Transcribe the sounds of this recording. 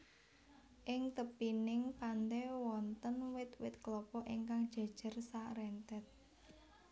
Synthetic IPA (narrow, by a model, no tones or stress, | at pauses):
ʔɪŋt̪əpinɪŋpant̪ɛwɔnt̪ənwɪt̪wɪt̪̚klɔpɔʔiŋkaŋd̥ʒ̥ä̤d̥ʒ̥ə̤rsarɛnt̪ɛt̪̚